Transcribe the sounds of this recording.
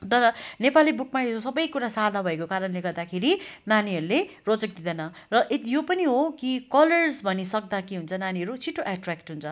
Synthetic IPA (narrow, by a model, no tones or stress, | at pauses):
t̪ʌɾʌnepalibukmaesosʌbʌjkuɾasad̪ʱabʱʌekokaɾʌnleɡʌrd̪akʰeɾinaniɦʌɾulerot͡sʌk̚d̪id̪ʌnʌ | rʌʔet̪ijopʌniɦokikʌlʌrsbʱʌnisʌk̚d̪akeɦunt͡sʰʌnaniɦʌɾut͡sʰiʈʰːoʔaʈrakʈɦunt͡sʰʌ